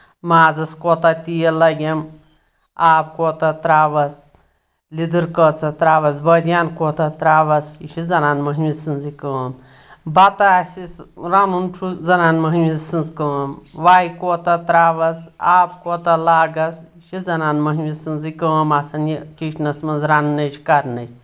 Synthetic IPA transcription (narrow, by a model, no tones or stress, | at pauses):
maːd͡zɐskoːt̪at̪ijɐlɐɡʲem | aːp̚koːt̪ɐt̪ɾaːʋɐs | lid̪ɨɾkɐt͡sɐt̪ɾaːʋɐsbɐd̪jaːnkoːt̪ɐt̪ɾaːʋɐsiʃizɐnaːnmɐɦmisɨnzikəːn | bɐt̪aːsisɾanunt͡ʃʰuzɐnaːnmɐɦmisɨnzkəːmʋaːjkoːt̪ɐt̪ɾaːʋɐsaːpkoːt̪ɐlaːɡɐsiʃizɐnaːnmɐɦmisɨnzikəːmasɐnikiʃnɐsmɐnzɾanːɐt͡ʃʰikɐɾnɐt͡ʃʰ